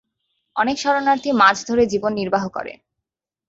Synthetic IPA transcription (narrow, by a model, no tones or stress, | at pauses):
ɔnekʃɔɾonaɾt̪ʰimad͡ʑʰʱd̪ʱoɾed͡ʑibonːiɾbaɦokɔ̰ɾḛ